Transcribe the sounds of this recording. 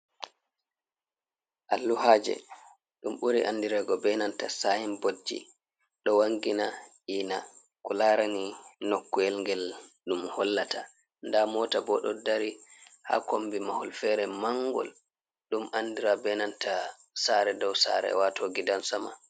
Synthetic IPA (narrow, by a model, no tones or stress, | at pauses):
ʔalːuhad͡ʒɛ̰ | ɗumɓuɾḭʔanːdiɾɛɡɔbɛnantasajimbod͡ʒḭ | ɗɔwaŋɡina | iːna | kɔlaːɾaninokːuɛlŋɡɛlɗumhɔlːatʰa | ndamɔːtabɔɗɔdaɾiha̰ːkombimahɔlfɛɾɛmaŋɡɔ̰l | ɗumʔandiɾabɛnanta | saɾɛdɔwsa̰ɾɛ̰watoɡidansama̰